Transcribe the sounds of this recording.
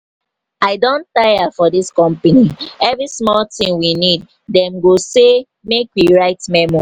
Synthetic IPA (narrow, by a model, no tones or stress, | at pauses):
aɪdõntajafɔdiskɔ̃mpaniɛvɹismɔltĩŋwinid̚ | dɛ̃mɡose | mekwiɹaɪtmɛmɔ